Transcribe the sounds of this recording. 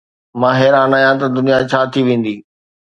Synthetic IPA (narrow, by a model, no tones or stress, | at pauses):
mãːɦɛːɾaːnaːɦjãt̪ɐd̪ʊnijat͡ɕʰaːt̪ʰiʋẽːn̆d̪iː